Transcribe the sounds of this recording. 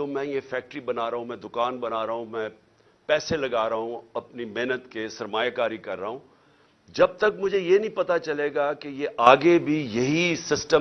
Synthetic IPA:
t̪oːmɛ̃jefɛːk̚ʈɾibɐnaːɾɐɦũmɛ̃ːd̪ʊkaːnbɐnaːɾɐɦũmɛ̃ː | pɛːselɐɡaːɾɐɦũɐpnimeːnət̪kesɐɾmaːjakaːɾikɐɾːɐːɦũː | d͡ʒɐb̚t̪ɐkmʊd͡ʒʱejenɐɦĩpɐt̪at͡ʃɐleːɡakejeʔaːɡebʱijɐɦisɪsʈə

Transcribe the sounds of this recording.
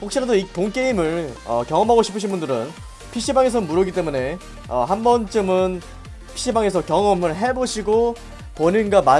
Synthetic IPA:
ɸok̚ɕ͈iɾadoipoŋk͈e̞imɯɭʌkjʌŋʌmɦaɡoɕʰi̥pʰɯɕʰinbundɯɾɯn | pʰiɕ͈ʰibaŋe̞s̬ʰʌmuɾʌɡit͈e̞mune̞ | ʌ̰hambʌnt͡ɕ͈ɯmɯn | pʰi̥ɕ͈ʰibaŋe̞sʰʌkjʌŋʌmɯɭɦe̞boɕʰiɡo | ponɯnɡama

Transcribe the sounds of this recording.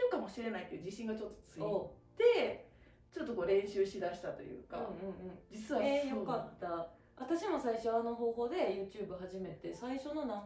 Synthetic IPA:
okamo̞ɕiɾe̞naike̞d̪od͡ʑiɕĩŋɡat͡ɕo̞t̪ːo̞̥t͡sɨiott̪e̞ | t͡ɕo̞t̪ːo̞koːɾẽ̞ɰ̃ɕɨːɕid̪aɕi̥t̪at̪o̞̰jɯ̰ːka̰ɯ̃ɯ̟̃ɴɯ̟̃ɴd͡ʑit͡sɨβajokat̪ːa | at̪aɕimo̞saiɕo̞ano̞ɦo̞ːɦo̞ːd̪e̞jɯ̟ːt͡ɕɨːbɯ̟ɦaʑime̞t̪e̞saiɕo̞no̞na

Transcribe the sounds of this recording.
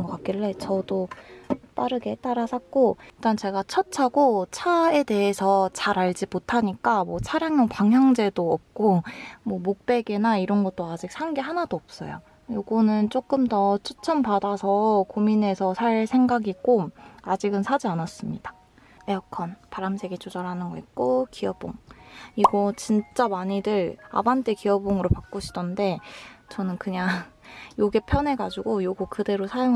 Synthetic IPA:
ŋɡʌk͈ak͈iɭːe̞t͡ɕʌdo | t͈aɾɯɡe̞t͈aɾasʰak̚k͈oit͈ant͡ɕe̞ɡat͡ɕʰʌt͡ɕʰaɡot͡ɕʰae̞de̞ɦesʰʌt͡ɕaɾaɭd͡ʑimotʰaɲik͈amwʌt͡ɕʰaɾjaŋjʌŋpaŋjaŋd͡ʑe̞doʌp̚k͈omwʌmok̚p͈e̞ɡenaiɾʌnɡʌt̚t͈oad͡ʑik̚sʰaŋɡeɦanadoʌp̚s͈ʌ̰jo̰ | joɡunɯnt͡ɕ͈ok͈ɯmtʌt͡ɕʰot͡ɕʰʌmpadasʰʌkomine̞sʰʌsʰaɭsʰe̞ŋɡaɡik͈omad͡ʑiɡɯnsʰad͡ʑianas͈ɯmɲid̥ḁ | eʌkʰʌnpaɾamsʰe̞ɡit͡ɕod͡ʑʌɾɦanɯnɡʌit̚k͈okʰiʌbo̰ŋiɡʌt͡ɕint͡ɕ͈amaɲidɯɾa̰bant͈ekiʌboŋɯɾopak͈̚oɕʰi̥dʌnde̞t͡ɕʌnɯnkɯɲaŋ | joɡe̞pʰjʌne̞ɡad͡ʑuɡojoɡokɯde̞ɾosʰajoŋ

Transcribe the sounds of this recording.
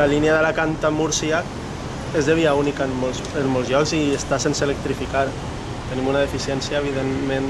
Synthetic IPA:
alineaðəlakant̪amuɾsia | ezðeβiaunikanmos | enmolzjɔkziest̪asenselək̚t̪ɾifikaɾ | t̪ənimunaðefisjɛnsjaeβ̞iðemmẽn

